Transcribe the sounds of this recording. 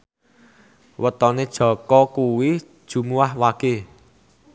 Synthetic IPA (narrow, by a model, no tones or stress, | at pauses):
wət̪ɔned̥ʒ̥ɔ̤kɔkuwid̥ʒ̥ṳmuahwaɡ̥e